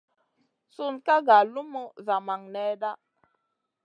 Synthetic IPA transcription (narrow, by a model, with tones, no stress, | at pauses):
su˦nka˦ɡa˨lu˦mə˦za˨ma˨ŋnɛ˦da˦